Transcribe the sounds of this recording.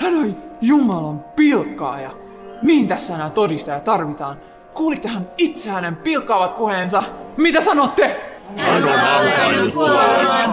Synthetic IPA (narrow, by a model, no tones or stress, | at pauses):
hænojjumɑlɑmpilkːɑ̰ːjɑ̰ | mihint̪æsːæænæt̪odist̪ɑjɑt̪ɑrʋit̪ɑːn | kuːlit̪ːehænit̪sehænempilkːɑːʋɑt̪̚puhensɑmit̪æsɑnot̪ːe